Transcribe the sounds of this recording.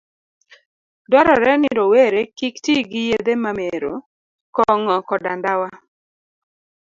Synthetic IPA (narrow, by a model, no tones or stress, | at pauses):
dɔɾɔɾɛnɪɾɔweɾekiktiɡɪjed̪emameɾo | kɔŋɔkɔdandawa